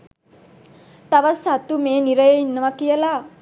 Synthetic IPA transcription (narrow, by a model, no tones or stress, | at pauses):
t̪aʋasat̪umeːniɾəjeinːəʋakijəla